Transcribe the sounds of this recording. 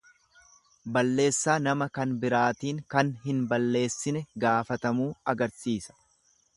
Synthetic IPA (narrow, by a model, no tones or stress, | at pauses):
bɐlːe̞ːsːaːnɐmɐkɐnbɪɾaːt̪iːŋkɐnɦɪnbɐlːe̞ːsːɪnɛɡaːfɐt̪ɐmuːɐɡɐɾsiːsɐ̥